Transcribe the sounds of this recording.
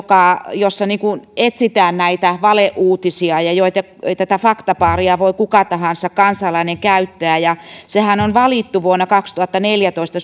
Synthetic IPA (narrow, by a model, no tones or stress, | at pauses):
kɑˑjosːɑniːŋkunet̪sit̪æːnnæit̪æʋɑleʔʔuːt̪isiɑjɑjoit̪ɑ | t̪æt̪æfɑkt̪ɑpɑːriɑʋoikukɑt̪ɑhɑnsɑkkɑnsɑlɑineŋkæyt̪ːøæːˑjɑsehænonʋɑlit̪ːuʋuonːɑkɑkst̪uhɑt̪ːɑneljæt̪oist̪ɑ